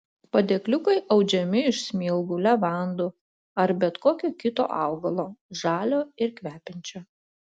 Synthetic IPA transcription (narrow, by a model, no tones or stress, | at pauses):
pɐd̪ʲeːklʲʊkɐɪʔɐʊd͡ʒʲɛmʲɪɪʃsʲmʲiːlˠɡulʲɛʋɑˑnd̪uː | ɐɾbʲɛt̪koːkʲoːkʲɪt̪o̰ːʔɑ̰ˑʊɡɐlˠoːʒɑːlʲoːɪɾkʲʋʲæːpʲɛnʲt͡ʃʲoː